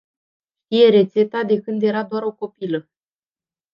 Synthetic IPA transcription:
ʃt̪ije̞ɾe̞t̪se̞t̪ad̪e̞kɨnd̪je̞ɾad̪oaɾo̞ko̞pilə

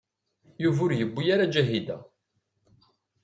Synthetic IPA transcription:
juvʊɾjəbːijaɾad͡ʒæɦid̪æ̰

